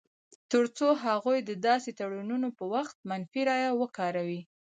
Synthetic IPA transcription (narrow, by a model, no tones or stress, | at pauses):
t̪əɾt͡soɦaɣujd̪əd̪ɑset̪aɽununopəwaxt̪̚manfiɾɑjawəkɑɾawi